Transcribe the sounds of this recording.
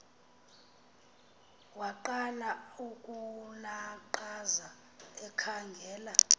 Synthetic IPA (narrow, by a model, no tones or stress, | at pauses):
waǃanaukʼunaǃaza | ɛkʰaŋɡʱɛːla